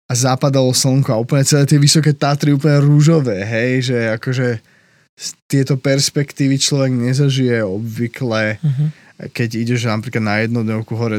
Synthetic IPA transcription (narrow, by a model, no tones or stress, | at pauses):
azapad̪alɔsl̩ŋkuauːpl̩ɲɛt͡sɛlɛːt̪ɪɛʋisɔkɛːt̪at̪ɾiuːpl̩ɲɛɾuʒɔʋɛːɦɛjʒɛakɔʒɛ | st̪ɪɛt̪ɔpɛɾspɛkt̪iːʋit͡ʃlɔʋɛɡɲɛzaʒijɛɔbʋiklɛ | kɛɟiɟɛʒnapɾiːklad̪najɛd̪nɔd̪ɲɔʊkuɦɔɾɛ